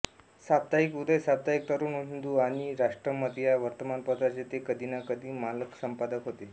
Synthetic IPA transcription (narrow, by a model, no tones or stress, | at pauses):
sab̚t̪aikud̪əjsab̚t̪aik̚t̪əɾuːnuɦind̪uaɽ̃iɾaʂʈɾəməd̪ʱjaʋəɾt̪əmanpət̪ɾat͡ɕet̪ekəd̪ʱinakəd̪ʱiːmaləksəmpad̪əkɦot̪e